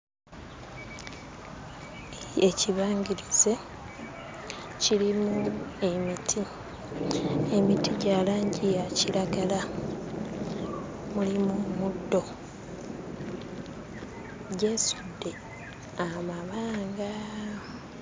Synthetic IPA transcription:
eciβaːɲɡiɾize̞ | cilimuemitʰi | emitiɟaːlaːɲɟijacilaɡala | mulimumudːo̞ | ɟe̞ːsudːe̞ | amaβaːŋɡa

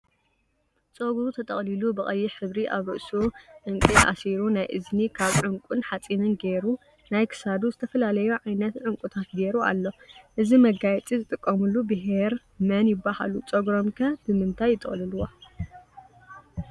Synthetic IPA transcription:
t͡sʼoɡɾut̪ʰɐt̪ʼɐ̰χʼlilubɨχʼɐjːiħɨβɾiʔa̰βɾɨʔsuʕɨŋkʼiʔa̰siɾunajʔɨznikʰaβʕɨŋkʷʼunħat͡sʼinɨnɡeɾu | najkʰɨ̥sad̪uzɨt̪ʰɐfɐlalɐjuʕajnɐt̪ʕɨŋkʷʼut̪ʰat̪ɡeɾua̰lːo̞ʔɨzimɐɡajt͡sʼizɨt̪ʼɨkʼːɐmulːubɨɦeɾ | mɐnjɪbːaha̰lut͡sʼoɡɾomkʰɐb̥ɨmɨnt̪ʰajːɪt̪ʼɨχʼliluwo

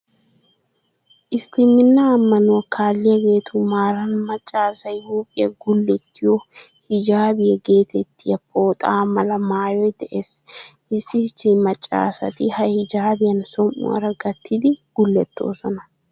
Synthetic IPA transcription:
ʔɪst̪ɪmɪnːaːmːɐnʊwɐkʰaːlːɪjɐɡe̞ːt̪ʰumaːɾɐnmɐt͡ʃʼːaːsɐjɪjoːpʼːɪjɐ̰ɡʊlːɛt̪ːɪjɔ | hɪd͡ʒaːbɪjɛɡe̞ːt̪ʰɛt̪ːɪjɐpʰoːt̪ʼaːmɐlɐmaːjɔjd̪ɛʔeːsʔɪsːɪsːɪmɐt͡ʃʼːa̰ːsɐ̰t̪ɪhɐhɪd͡ʒaːbɪjɐnsɔmʔʊ̰ɐ̰ɾɐɡɐt̪ːɪd̪ɪɡ̥ʊlːɛt̪ːo̞̰ːsɔnɐ

